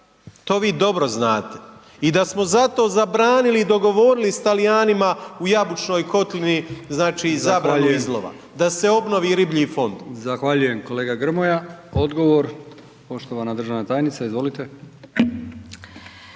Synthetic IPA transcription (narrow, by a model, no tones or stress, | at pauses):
t̪o̞ːʋiːd̪o̞bɾo̞znaːt̪e̥ | id̪asmo̞zat̪o̞ːzabɾaːnilid̪o̞ɡo̞ʋo̞ɾilist̪alijaːnimaujabut͡ʃno̞ːjko̞t̪liniznaːt͡ʃiːzaːbɾanuizlˠoʋa̰ | d̪ase̞o̞bno̞ʋiːɾibʎifo̞nd̪zaxʋaʎujemkoleːɡaɡr̩mojao̞d̪ɡo̞ʋoɾ | po̞ʃt̪oʋanad̪r̩ʒaʋnat̪aːjnit̪saizʋo̞lit̪e